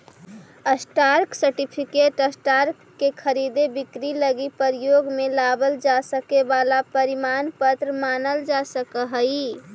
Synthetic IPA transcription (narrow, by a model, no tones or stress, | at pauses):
əsʈaɾksəɾʈipʰikeʈəsʈaɾkːekʰəɾid̪ebikɾiləɡipəɾijoɡmelabəld͡ʒasəkebalapəɾimanpət̪ɾmanəld͡ʒasəkəɦəj